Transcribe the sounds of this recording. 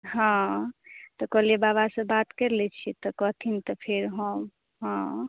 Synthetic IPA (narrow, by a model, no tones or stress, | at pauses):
ɦã | t̪ɔkʌlebaβasə̃bat̪keɾlɛt͡ʃʰit̪ɔkɔt̪ʰint̪ɔpʰeɾɦəm | ɦã